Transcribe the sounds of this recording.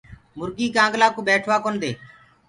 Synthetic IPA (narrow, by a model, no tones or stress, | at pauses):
mʊɾɡiːkãːŋɡlaːkoːbeːʈʰʋaːkoːnd̪eː